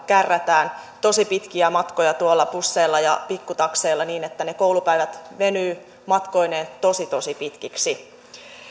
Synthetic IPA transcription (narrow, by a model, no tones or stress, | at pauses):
kærːæt̪æːn | t̪o̞sipit̪k̟iæmɑt̪kojɑt̪uolːɑpusːe̞ːlːɑjɑpikːut̪ɑkseːlːɑniːnet̪ːænekowlupæiʋæt̪ʋe̞nyː | mɑt̪ko̞ineːnt̪osit̪o̞sipit̪kiksi